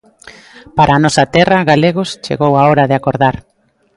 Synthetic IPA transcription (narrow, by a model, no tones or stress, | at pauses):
paɾʔaːnɔsat̪ɛrɐɣaleɣʊst͡ʃḛɣowaoɾaðeakoɾðaɾ